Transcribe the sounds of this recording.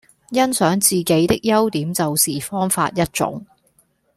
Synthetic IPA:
jɐ˥nsœː˨˥ŋt͡siː˨ke˨˥jt̪ɪ˥k̚jɐ˥wt̪iː˨˥mt͡sɐ˨wsiː˨˩fɔː˥ŋfa̰ː˧t̚jɐ˥t̚t͡ʃʊ̰˨˥ŋ

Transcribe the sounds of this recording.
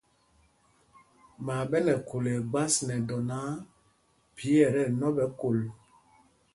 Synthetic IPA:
ma˨ɓɛ˦nɛ˨ko˨le˨ɡ͡ba˦snɛ˨dɔ˨na˦ | pi˨˦ɛ˨ɾɛ˦nɔ˦ɓɛ˦ko˨l

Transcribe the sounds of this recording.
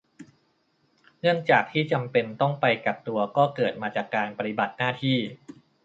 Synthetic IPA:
ŋɯ˥˩ənt͡ɕaː˨˩k̚t̪ʰiː˥˩t͡ɕa˧mpe˧nt̪ɔ˥˩ŋpa˧jka˨˩p̚t̪u˧ɐkɔː˥˩kɤː˨˩t̪̚maː˧t͡ɕaː˨˩kːaː˧npa˧t̪i˨ba˨˩t̪̚naː˥˩t̪ʰiː˥˩

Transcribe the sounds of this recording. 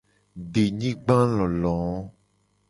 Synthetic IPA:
ɖe˨ɲĩ˦ɡ͡bã˦lɔ̃˨lɔ̃˨˦

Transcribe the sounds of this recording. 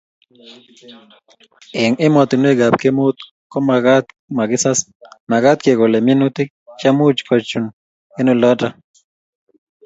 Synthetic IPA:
ɪ˨ŋɪ˦mɔ˨t̪i˨n˦e˦ɡa˨pke˦mo˦t̪ | kɔ˦ma˨ɡa˦t̪ | ma˨ɡɪ˦sa˦s | na˨ɡa˦t̪̚ke˨kɔ˨le˨mi˦nu˦t̪i˦ | t͡ʃa˦mu˦t͡ʃkɔ˨t͡ʃu˨n | e˦no˦˨lɔ˦da˦

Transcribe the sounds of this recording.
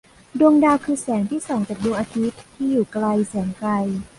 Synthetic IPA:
du˧əŋdaː˧wkʰɯː˧sɛː˩˦ŋt̪ʰiː˥˩sɔː˩˦ŋt͡ɕaː˨˩k̚duː˧ŋʔaː˧t̪ʰi˦˥t̪ʰːiː˥˩juː˨˩kla˧jsɛː˩˦ŋkla˧j

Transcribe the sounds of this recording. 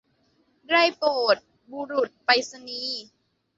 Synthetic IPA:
ɾa˥˩jpoː˨˩t̪̚ | bu˧ɾu˨˩t̪̚pa˧jsa˧niː˧˦

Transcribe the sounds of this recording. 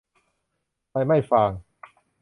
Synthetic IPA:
a˧jma˥˩jfaː˧ŋ

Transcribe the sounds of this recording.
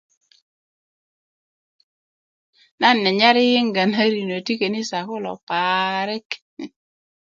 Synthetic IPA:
na˦nːɛ˨ɲa˦ɾɪ˦jɪ˦ŋɡa˨na˦ɾi˨no˨ti˦ke˨nɪ˦sa˨kʊ˦lɔ̰˨paɾɪ˦k

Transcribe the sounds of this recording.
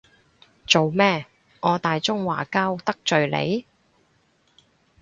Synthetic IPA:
t͡so˨wmɛː˥ | ŋɔː˨˧t̪aː˨jt͡ʃʊ˥ŋwa̰ː˨˩ka˥wt̪ɐ˥k̚t͡ʃɵ˨ɥlḛ˨˧j

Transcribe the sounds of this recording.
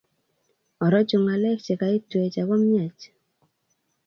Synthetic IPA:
ɔ˨ɾɔ˦t͡ʃʊ˧ŋa˨lɛ˦k̚t͡ʃe˨ka˨˦i˦twe˨t͡ʃa˨kɔ˦mja˨t͡ʃ

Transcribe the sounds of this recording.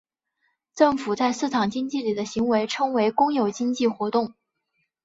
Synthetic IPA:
ʈ͡ʂɤ˥˩ŋfu˨˩t͡sa˥˧ɪsɹ̩˥˩ʈ͡ʂʰɑ˨˩ŋt͡ɕi˥ŋt͡ɕi˥˩li˨˩d̪ə˦ɕi˧˥ŋwe˧˥ɪʈ͡ʂʰɤ˥ŋwe˧˥ɪkʊ˥ŋjo˨˩ʊt͡ɕi˥ŋt͡ɕi˥˩xwɔ˧˥t̪ʊ˥˩ŋ

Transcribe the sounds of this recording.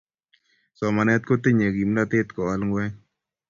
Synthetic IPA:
sɔ˨ma˨nɛ˦t̪̚ko˦t̪e˦ɲe˨ɡi˨mna˦t̪ɪ˦t̪kɔ˨a˦lŋɡwɛ˦

